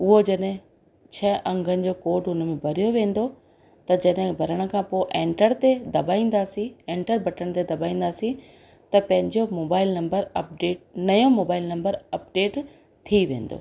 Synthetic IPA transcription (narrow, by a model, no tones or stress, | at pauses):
ʊɦod͡ʑɐɗɦɪ̃ | t͡ɕʰɐʔɐ̃ŋɡʱənɪ̆d͡ʑoːkoːʈɦʊnə̆mẽbʱɐɾijoʋẽːn̆d̪o | t̪ɐd͡ʑɐɗɦɪ̃bʱɐɾəɽ̃ə̆kʰãːpoːʔẽːɳʈəɾt̪ed̪ɐbaːĩːn̆d̪aːsĩẽːɳʈəɾbʱɐʈəɽ̃t̪ed̪ɐbaːĩːnd̪aːsĩ | t̪ɐpɐ̃ɦɪ̃ɲd͡ʑomoːbaːɪlnɐ̃mbəɾɐp̚ɖeːʈ̚nɐjõmoːbaːɪlnɐ̃mbəɾɐp̚ɖeːʈ | t̪ʰiʋẽːnd̪o̰ː